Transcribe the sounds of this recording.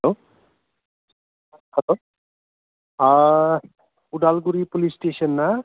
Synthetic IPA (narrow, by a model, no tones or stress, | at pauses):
ɦɛlo | hɐloː | a | uɖaːlɡuɾipolisʈeːsənːa